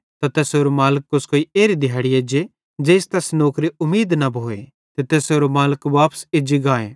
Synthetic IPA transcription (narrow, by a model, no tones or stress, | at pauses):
t̪at̪eːsɦoːɾomaːləkːʊskoːieːɾid̪ʱɪjaːɽieːd͡ʒe | d͡ʒeːst̪ɛsnoːkɾiʊmːiːd̪nɐbʱoːḛ | t̪et̪eːsɦoːɾomaːləkʋaːpə̥sɪd͡ʒiɡaːḛː